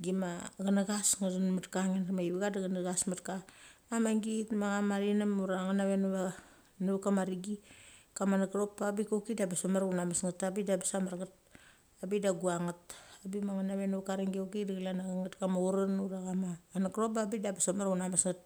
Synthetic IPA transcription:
ɡimaɡanaɡasŋadanmatkaŋenmaiβiɡadaɡanaɡasmatkaamaŋɡitmaɡamaɾinamuɾaŋanaβenβa | nuβkamaɾiɡikamanakɾo̞pːabikokidabasomaɾunamasŋatabidabasamaɾɡat̚ | abidaɡuaŋatabimaŋanaβenuβkaɾiŋɡiokidaɡlanaɡaŋatkamauɾanuɾaɡamaːnakɾop̚babidabasomaɾunamasŋat̚

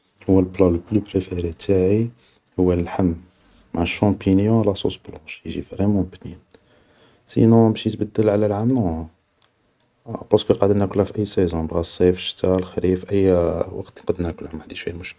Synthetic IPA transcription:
hʊwːælblɑlplypɾefeɾit̪ʰaʕi | hʊwːælħəmː | aʕəʃɑ̃pinjɔ̃læsˤṵsblɑ̃ʃjəʒifɾemũbnin | sḭnɔ̃mʃit̪bæd̪ːəlʕlælʕamnɔ̃ | pɑskəqɑd̪ənækʊlhæfiʔæjːsɛzɔ̃bʁæsːefʃt̪alxɾifʔæjːwɑ̰qt̪nqɑd̪ənækʊlhæmaʕd̪iʃwḭːmʊʃk

